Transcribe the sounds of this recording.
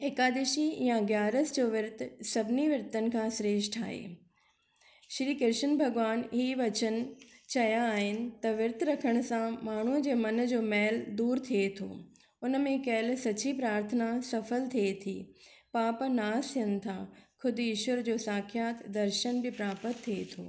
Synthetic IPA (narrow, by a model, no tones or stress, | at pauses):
ekaːd̪eːʃijãɡjaːɾəsd͡ʑoːʋɪɾt̪sɐbʱɪniʋɪɾt̪ənɪ̆kʰãːsɾeːʃʈa̰ːɦḛː | ʃɾiːkɪɾʃənbʱɐɡʋaːnɦiːʋɐt͡ɕən̆t͡ɕɐjaːɦɪnɪ̆t̪ɐʋɪɾt̪ɾɐkʰəɽ̃ʊ̆sãmaːɳ̤ud͡ʑeːmɐn̆d͡ʑoːmɛːld̪uːɾt̪ʰiet̪ʰo̰ː | ʊnə̆mẽkɐɦɪlsɐt͡ɕipɾaːɾt̪ʰənasɐfəlt̪ʰiet̪ʰḭːpaːpnaːst̪ʰiənɪ̆t̪ʰã̰kʰʊd̪ʱɪʃwəɾd͡ʑoːsaːkʰjaːt̪d̪ɐɾʃənbɪpɾaːpət̪ʰːiet̪ʰo̰ː